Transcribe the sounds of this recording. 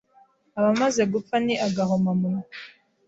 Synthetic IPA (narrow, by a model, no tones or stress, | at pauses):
aβamaze̞ɡufaniʔaɡaɦomamuno